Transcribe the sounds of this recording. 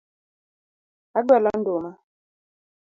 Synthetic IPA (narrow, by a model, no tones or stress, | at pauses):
aɡwɛlɔn̩doma